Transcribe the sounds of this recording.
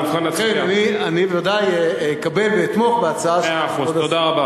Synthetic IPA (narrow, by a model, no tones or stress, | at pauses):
χaeanianivevad̪ajekabe̞lveit̪mo̞χbeat͡saaʃoodaod̪aʁaba